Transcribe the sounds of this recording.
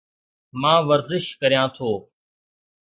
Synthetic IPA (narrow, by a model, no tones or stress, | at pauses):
mãːʋəɾzɪʃkəɾijãːt̪ʰoː